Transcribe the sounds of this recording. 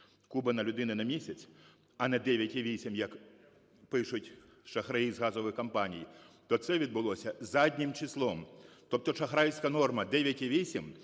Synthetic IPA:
kubɐnɐlʲʊd̪ɪnɐnɐmʲisʲɐsʲ | ɐnɛd̪ɛʋʲjɐtʲiʋʲisʲimjɐk | pɪʂʊtʲ | ʂɐxɾɐizɣazɔʋɨxkɐmpanʲijt̪ɔt̪sɛʋʲid̪̚bʊlˠɔsʲɐzadʲnʲimt͡ʃislˠɔmt̪ɔp̚t̪ɔʂɐxɾajsʲkɐnɔrmɐd̪ɛʋʲjɐtʲiʋʲisʲim

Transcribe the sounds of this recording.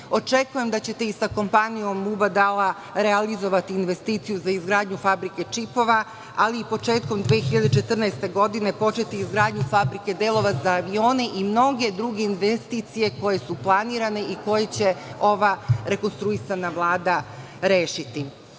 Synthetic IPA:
o̞t͡ʃe̞kuje̞md̪at͡ɕe̞t̪e̞isako̞mpanijo̞mːubad̪ala | ɾe̞alizo̞ʋat̪iːnʋe̞st̪iːt̪sijuzaizɡɾaːd̪ɲufabɾike̞t͡ʂipo̞ʋa | aliːpo̞t͡ʃe̞ːt̪̚ko̞md̪ʋeːxiʎad̪et͡ʃe̞t̪r̩naest̪e̞ɡo̞d̪ine̞po̞t͡ʃe̞t̪iːzɡɾaːd̪ɲufabɾike̞d̪e̞ːlˠo̞ʋazaːʋio̞ːne̞ʔimno̞ɡe̞d̪ɾuɡe̞inʋest̪iːt̪sije̞ko̞je̞suplˠaniːɾane̞ʔiko̞je̞t͡ɕe̞o̞ʋaɾe̞ko̞nst̪ɾuisanaʋlˠaːd̪a | ɾeːʃit̪i

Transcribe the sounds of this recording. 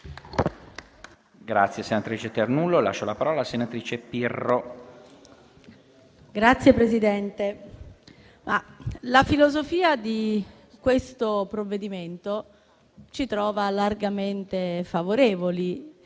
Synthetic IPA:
ɡɾa̰t̪sːjesenat̪ɾiːt͡ʃet̪ernulːola̰ʃːolapaɾɔːlasenat̪ɾiːt͡ʃepirːo | ɡɾat̪sːjepɾezid̪ɛnt̪e | malafilozofiːad̪i | kwest̪opɾovːed̪iment̪o | t͡ʃit̪ɾɔːvalarɡament̪efavoɾeːvoli

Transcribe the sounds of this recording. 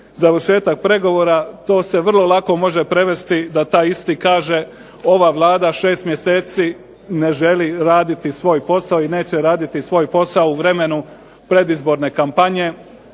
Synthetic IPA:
zaʋəɾʃe̞ːt̪ak̚pɾe̞ɡo̞ʋoːɾat̪o̞ːse̞ʋr̩lˠolˠako̞mo̞ʒe̞pɾe̞ʋe̞st̪id̪at̪aːjist̪iːkaːʒe̞ | o̞ʋaʋlˠaːd̪aʃe̞ːst̪mje̞seːt̪siː | ne̞ʒe̞liɾaːd̪it̪isʋo̞ːjpo̞saoine̞ːt͡ɕe̞ɾaːd̪it̪isʋo̞ːjpo̞saouʋɾe̞me̞nu | pɾe̞d̪izbo̞ɾne̞kampaɲe̞

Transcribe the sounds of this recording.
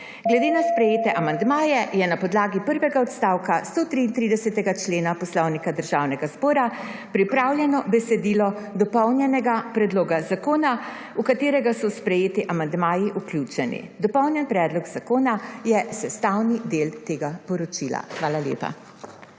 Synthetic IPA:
ɡlɛd̪eːnaspɾɛjeːt̪ɛʔamand̪maːjɛjɛnapɔd̪laːɡipəɾʋɛɡaɔt̪st̪aːwkast̪oːt̪ɾiːnt̪ɾiːd̪ɛsɛt̪ɛɡat͡ʃleːnapɔslɔwnikad̪əɾʒaːwnɛɡazbɔːɾa | pɾipɾaːwljɛnɔbɛsɛd̪iːlɔ | d̪ɔpɔwnjɛnɛɡapɾɛd̪loːɡazakoːna | ukat̪eːɾɛɡasɔspɾɛjeːt̪iʔamand̪maːjiʔuklʲuːt͡ʃɛnḭd̪ɔpɔwnjɛnpɾɛːd̪lɔɡzakoːnajɛsɛst̪awnid̪eːlt̪eːɡapɔɾɔt͡ʃila̰xʋaːlaljḛːpa̰

